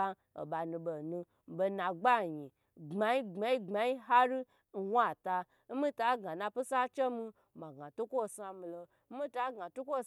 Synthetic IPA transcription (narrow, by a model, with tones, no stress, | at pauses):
o̰˨ɓa˨nũ˧be˨nũ˧˨ | be˧na˨ɡ͡ba˦˨ɲi˨ | ŋ͡ma˨i˦ŋ͡ma˧i˦ŋ͡ma˨ji˦ɦa˦ɾi˦˨ | wa˦˨ta˧ | m̩˦mi˦ta˨˦ɡa˨na˧pi˦sa˦t͡ʃe˦mi˧˨ma˨ɡa˨tu˦kʷo˦˨sa˧mi˧lo˧ | m̩˦mi˦ta˦ɡa˨tu˦kʷo˦˨